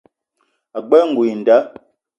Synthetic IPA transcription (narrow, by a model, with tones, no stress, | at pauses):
a˨ɡ͡bɛ˦ŋ̩˨ɡu˨i˨n̩˨da˦